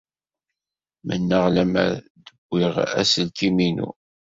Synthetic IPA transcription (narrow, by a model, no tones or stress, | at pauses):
mənːəʁlæmæ̰ | d̪əɡʷːɪʁæ̰səlt̪iminṵ